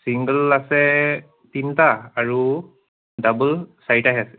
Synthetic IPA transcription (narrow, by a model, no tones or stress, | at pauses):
siŋɡəlasɛ | tintaːɹu | dabəlsajtaɦɛsɛ